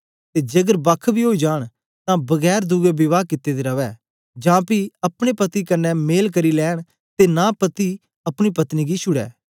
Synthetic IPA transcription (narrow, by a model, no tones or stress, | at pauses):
t̪eːd͡ʒɐɡəɾbɐkʰbʱiɦoːid͡ʒaːɽ̃ | t̪ãbɐɡɛːɾd̪uːɡebɪʋaːkɪt̪ːed̪eːɾɐʋɛː | d͡ʒãːpiɐpɽ̃epɐt̪ikɐnːɛmeːlkəɾilɛːɽ̃ | t̪enaːpət̪i | ɐpɽ̃ipɐt̪niɡiʃʰʊɽɛ̰ː